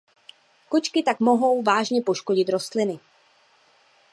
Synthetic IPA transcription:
kot͡ʃkɪt̪akmo̞ɦo̞wvaːʒɲɛpo̞ʃkoɟɪt̪ɾo̞st̪lɪnɪ

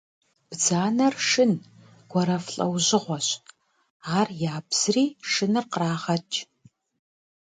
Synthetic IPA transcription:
b̥d͡zaːnɐrʂɨn | ɡ̥ʷɔɾɐfɬʼɐ̰wʑɪʁʷɔɕ | aːrjaːbz̥riːʂɨnɨrqəraːʁɐt͡ʃʰʼ

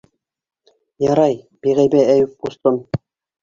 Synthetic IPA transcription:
jɑɾɑj | b̥iʁæjbææjup̚kust̪ɤm

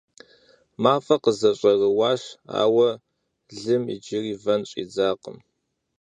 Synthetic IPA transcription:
maːfɐqəzɐɕʼɐrəwaːʂa̰ːwɐ | ɮɨmḭd͡ʒɪriːvɐnɕʼḭːd͡zaːqə̰m

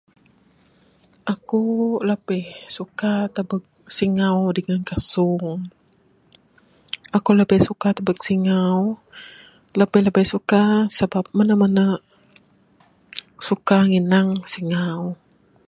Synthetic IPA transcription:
ʔakuləpəhsukat̪abək̚siŋawdəŋankasʊŋ | ʔakuləbəjsukat̪əbək̚siŋaw | ləpəjləbəjsukasəbap̚mənəmanə | sukaŋinaŋsiŋaw

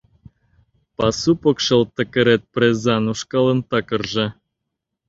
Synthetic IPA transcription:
pɑsupokʃɤ̆lˠt̪ə̆kə̆ɾet̪̚prezɑnuʃkɑlˠə̆nt̪ɑkə̆rʒĕ

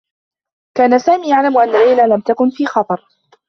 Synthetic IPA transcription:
kaːnasaːmiːjaʕlamʔanːalːajlalamt̪akʊnfiːxɑt̪ˤɑɾˤ

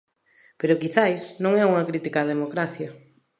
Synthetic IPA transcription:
peɾʊkiθajsnõŋɛuŋɐkɾit̪ikaðemokɾaθjɐ

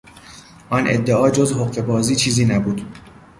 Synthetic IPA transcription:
ʔɒnʔḛd̪ːeʔɒːd͡ʒozhoqfe̞bɒːziːt͡ʃʰiːziːnæbuːd̪̥

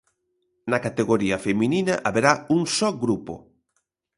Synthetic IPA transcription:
nɐkat̪eɣoɾiɐfemininɐ̰ʔaβeɾauŋsɔɡɾupo̰

